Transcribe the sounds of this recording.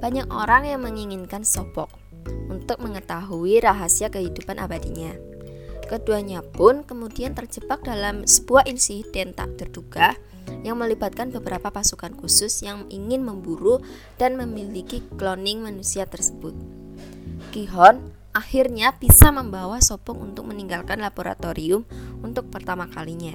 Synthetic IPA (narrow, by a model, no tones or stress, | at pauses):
b̥aɲak̚ʔo̰ɾaŋjaŋməŋiŋɪnkansɔb̥ɔk̚ | unt̪ʊk̚məŋət̪aɦuiɾaɦasiakəɦidupanʔa̰badiɲa | kəduaɲapʊnkəmudiant̪ərd͡ʒəbak̚dalamsəb̥uaʔinsid̪ɛnt̪a̰ʔd̪ərduɡah | jaŋməlibat̪̚kanbəbəɾapapasukankusʊsjaŋiŋɪnməmbuɾu | d̥anməmilikiklonɪŋmanusiat̪ərsə̥b̥ʊt̪̚ | ɡ̥iɦɔn | ʔahɪrɲab̥isaməmbawasobɔŋṵnt̪ʊk̚məniŋɡalkanlaboɾa̰t̪oɾiʊmunt̪ʊk̚pərt̪amakaliɲa